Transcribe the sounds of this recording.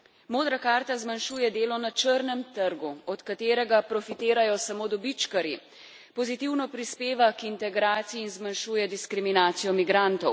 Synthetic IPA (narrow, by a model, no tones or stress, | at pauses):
moːd̪ɾakaːɾt̪azmanʃuːjɛd̪eːlɔnat͡ʃəɾnɛmt̪əɾɡuɔt̪kat̪eːɾɛɡapɾɔfit̪eːɾajɔsamoːd̪ɔbit͡ʃkaɾi | pɔzit̪iwnɔpɾispeːʋakint̪ɛɡɾaːt̪sijiːnzmanʃuːjɛd̪iskɾiminaːt̪sijɔmiɡɾant̪ɔw